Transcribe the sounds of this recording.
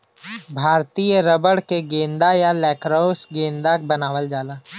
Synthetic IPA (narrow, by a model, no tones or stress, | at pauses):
bʱaːɾt̪ijəɾəbəɽkeɡẽːnd̪ajalɛːkɾaʊsɡẽːnd̪ak̚bɐnaːʋəld͡ʒaːlaː